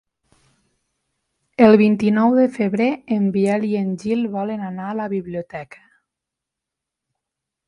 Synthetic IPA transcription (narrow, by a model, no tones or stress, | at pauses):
əlˠβint̪inɔwðəfəβɾeəmbiɛlienʲʒilˠβɔlənanaələβiβliut̪ɛkʰə̥